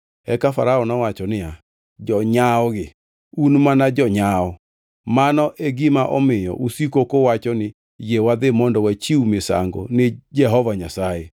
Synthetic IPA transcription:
ɛkafaɾaɔnɔwat͡ʃɔnɪa | d͡ʒɔɲaɔɡɪ | unmanad͡ʒɔɲaɔ | manɔʔeɡimaʔɔmɪjɔ̰ʔusikokowat͡ʃɔnɪ | jewaðɪmɔndɔwat͡ʃiumesa̰ŋɡɔ̰nɪd͡ʒɛɦɔvaɲasae

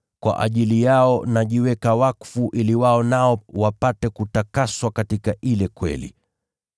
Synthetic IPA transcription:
kwa̰ʔa̰ʄilijaɔnaʄiwɛkawakfuʔiliwaɔnaɔwapatɛkutakaswakatikaʔilɛkwɛ̰lḭ

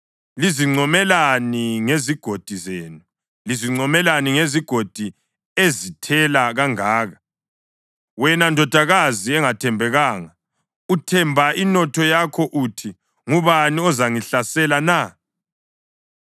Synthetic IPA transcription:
liziŋ͡ǀɔmɛlaniŋeziɡ̥ʱod̥ʱizeːnu | liziŋ͡ǀɔmɛlaniŋeziɡ̥ʱod̥ʱi | ezitʰɛlaɣaŋaːɣa | wɛnandʱɔd̥ʱaɣaziɛŋatʰɛmbʱɛɣaːŋa | utʰɛmbʱaʔinɔtʰɔjakʰɔʔutʰi | ŋuβaniɔzaŋiɬasɛlana

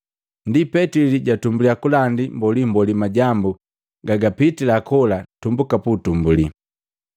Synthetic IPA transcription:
ndipɛtiliɟatumbuliakulandimbɔlimbɔlimaɟambu | ɡaɡapitilakɔlatumbukaputumbuli

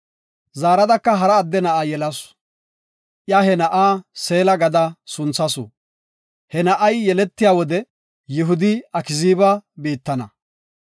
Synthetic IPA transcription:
zaːɾɐd̪ɐkːɐɦɐɾɐːd̪ːɛnɐʔaːjɛlɐs | ʔjahɛnɐʔaːse̞ːlɐɡɐd̪ɐsʊnt͡sːɐsʊ̰ | hɛnɐʔɐjːɛlɛt̪ːɪjaːwɔd̪ɛ | jɪɦʊd̪ɪɐkɪziːbɐbiːt̪ːɐnɐ̰

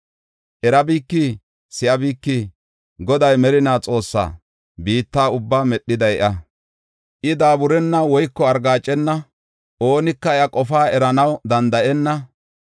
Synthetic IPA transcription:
ʔɛɾɐbiːkːi | sɪɐbiːkːi | ɡɔd̪ɐjmɛɾɪnaːt͡sʼo̞ːsːa̰ː | biːt̪ːaːʊbːamɛɗːɪd̪ɐjʔɐ | ʔɪd̪aːbʊɾɛnːɐwɔjkːɔɐɾɡaːt͡ʃʼːɛnːɐ | ʔo̞ːnɪkːɐɛɐkʼɔfaːɛɾɐnɐwd̪ɐnd̪ɐʔɛnːɐ

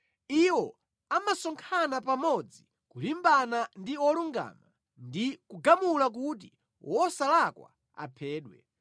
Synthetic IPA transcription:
iwɔ | amasɔŋkʰanapamɔd͡zi | kulimbanandiɔluŋɡa̰ːma | ndikuɡamulak̬ut̬i | wʔɔsalakwa̰ | a̰pʰɛːɗwɛ̰

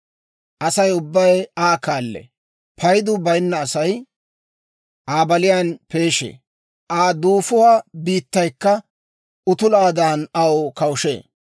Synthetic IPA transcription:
ʔɐsɐjʊbːɐjaːkaːlːḛ | pʰɐjd̪ʊbɐjnːɐːsɐj | ʔaːbɐlɪjaːnpe̞ːʃḛː | ʔaːd̪uːfɔwaːbiːt̪ːɐjkːɐ | ʊt̪ʊlaːd̪aːnɐwkɐwʊʃḛː

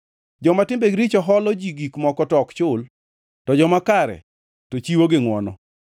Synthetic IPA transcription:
d͡ʒɔmatɪmbeɡɾɪt͡ʃɔɦɔlɔd͡ʒiɡikmɔkɔtɔkt͡ʃʊl | tɔd͡ʒɔmakaɾɛ̰ | tot͡ʃiwoɡɪŋwɔnɔ

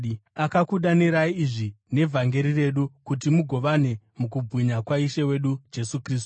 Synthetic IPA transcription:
akakuɗaneɾaiːʐi | ne̞vʱaŋɡe̞ɾire̞ɗukut̬imuɡʱo̞ʋane̞ | mukubʱwiɲakwaiʃewe̞ɗud͡ʒe̞sukriːs̬u

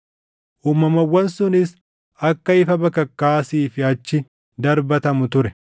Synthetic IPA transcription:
ʔuːmɐmɐwːɐnsʊnɪs | ɐkːɐɪfɐbɐkːɐkːaːsiːfɪɐt͡ʃːɪ | d̪ɐɾbɐt̪ɐmʊt̪ʊɾɛ

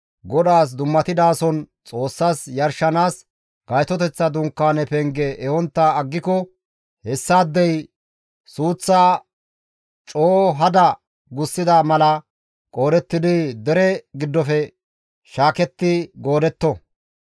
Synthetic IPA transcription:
ɡɔɗaːs̬d̪ʊmːɐt̪ɪd̪aːsɔnt͡sʼo̞ːsːaːsjɐɾʃɐnaːs | ɡ̥ɐjt̪ɔt̪ɛt͡sːɐd̪ʊŋkːaːnɛpɛŋɡɛʔːhɔnt̪ːɐɐɡːɪkɔ | hɛsːaːd̪ːɛj | suːt͡sːaː | t͡ʃʼoːɦɐd̪ɐ | ɡʊsːɪd̪amɐlɐ | kʼo̞ːd̪ɛt̪ːɪd̪ɪd̪ɛɾɛɡɪd̪ːɔfɛ | ʃaːkɛt̪ːɪɡoːd̪ɛt̪ːɔ

